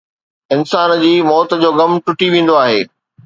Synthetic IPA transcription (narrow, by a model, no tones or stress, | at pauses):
ɪnsaːnd͡ʑiːmɔːt̪d͡ʑoːɡɐmʈʊʈiʋẽːn̆d̪oaːɦeː